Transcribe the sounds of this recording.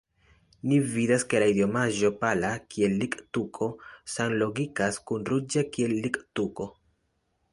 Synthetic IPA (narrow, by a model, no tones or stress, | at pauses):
nividaske̞laidio̞maʒo̞palakʰie̞lːiktukʰo̞sanlo̞ɡikaskunɾud͡ʒakie̞lːiktuko̞